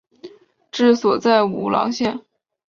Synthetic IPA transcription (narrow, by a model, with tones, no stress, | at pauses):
ʈ͡ʂɻ̩˥˩swɔ˨˩t͡sa˥˩ɪu˨˩lɑ̰˧˥ŋɕjɛ˥˩n